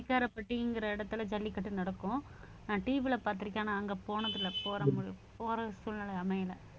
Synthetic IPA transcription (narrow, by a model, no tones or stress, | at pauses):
ɐɪkːaːɾɐpːɐʈːɯɪŋɡɪɾɐɪɽɐt̪ːɯlɐd͡ʒɐlːɪkɐʈːɯnɐɽɐkːʊ̃ | nãːʈiːʋɪlɐpaːɾt̪ɪɾɪkːaːnaɐŋɡɐpoːnɐðɪlɐpoːɾɐmʊɽpoːɾɐsuːlnalɐɐmɐjɪlɐ